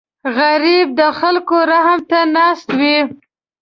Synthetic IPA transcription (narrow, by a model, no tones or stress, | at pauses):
ɣaɾib̚d̪əxalkoɾahmt̪anɑst̪wi